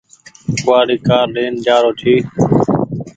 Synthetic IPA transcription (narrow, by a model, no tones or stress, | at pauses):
kʊaːɽiːkaːɾɗeːnd͡ʒaːɾoːt̪ʰiː